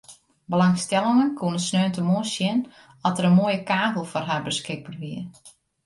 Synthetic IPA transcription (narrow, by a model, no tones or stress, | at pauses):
bəlaŋstɛlˠɪŋənkʰuənəsnøːntəmoəsjɪn | ɔtəɾənmoːjəkaːɣəlˠfɔrɦarbəskɪk̚pərʋiər